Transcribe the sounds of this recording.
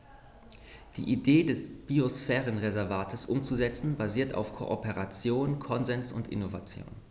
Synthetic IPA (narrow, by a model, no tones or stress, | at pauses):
d̥ḭːʔideːdɛsb̥iosfɛːʁənʁezɛɐvaːtʰəsʔʊmt͡suzɛt͡sn̩baziːɐta̰ʊfkʰo̰ʔopeʁat͡sjoːnkʰɔnzɛnsʊntʔɪ̰novat͡sjo̰ːn